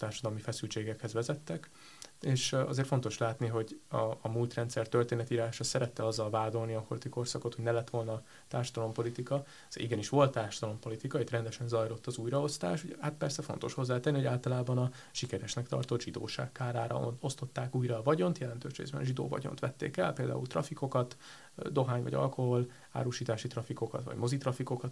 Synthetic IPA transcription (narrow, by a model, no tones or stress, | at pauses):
t̪aːrʃɒd̪ɒlmifɛsylt͡ʃeːɡɛkhɛzʋɛzɛt̪ːɛk | eːʃɒzeːrt̪fo̞nt̪o̞ʃlaːt̪niɦo̞ɟɒːmult̪rɛnt̪sɛrt̪ørt̪eːnɛt̪iːɾaːʃɒsɛɾɛt̪ːɛɒzːɒlvaːd̪o̞lniɒhort̪iko̞rsɒko̞t̪ho̞ɟnɛlɛt̪ːʋo̞lnɒ | t̪aːrʃɒd̪ɒlo̞mpo̞lit̪ikɒ | siɡɛniʃʋo̞lt̪ːaːrʃɒd̪ɒlo̞mpo̞lit̪ikɒet̪rɛnd̪ɛʃɛnzɒjlo̞t̪ːɒzuːjɾɒo̞st̪a̰ːʃuɟɛhat̪̚pɛrsɛfo̞nt̪o̞̰ʃho̞zːaːt̪ɛnːihoaːlt̪ɒlaːbɒnɒ | ʃikɛɾɛʃnɛkt̪ɒ̰rt̪o̞d̪ʒid̪o̰ːʃa̰ːkːaːɾaːɾɒ̰o̞st̪o̞t̪ːaːkuːjɾɒvɒɟo̞nt̪jɛlɛnt̪øːʃrḛːzbɛ̰nʒid̪o̰ːvɒ̰ɟo̰nt̪ʋɛt̪ːḛːkɛ̰lpeːld̪a̰ːṵlt̪rɒfiko̞kɒt̪ | d̪o̞ɦaːɲvɒ̰ɟɒ̰lko̞ɦo̞l | a̰ːɾuʃiːt̪aːʃit̪rɒfiko̞kɒ̰t̪ʋɒ̰ɟmo̞zit̪rɒfiko̞kɒt̪